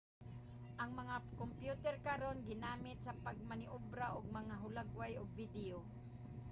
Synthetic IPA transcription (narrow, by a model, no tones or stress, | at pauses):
ʔaŋmɐŋakompjut̪ɛɾkaɾonɡɪnaːmɪt̪̚sɐpaɡ̚manɪʔʊbɾaʔʊɡ̚mɐŋaɦʊlaɡwajʊɡ̚vɪd̪ɪo